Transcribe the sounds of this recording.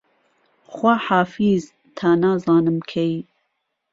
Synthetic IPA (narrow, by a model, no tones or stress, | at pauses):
xwaħaːfiːz | t̪ʰaːnɑːzɑːnɨmkʰej